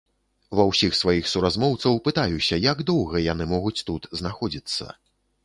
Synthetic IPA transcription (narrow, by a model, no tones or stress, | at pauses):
vɐwsʲixsvajixsuɾazmɔwt̪sɐwpɨt̪ajusʲɐjaɡd̪ɔwɣɐjanɨmɔɣut͡sʲt̪ut̪znaxɔd͡zʲit̪sːɐ̰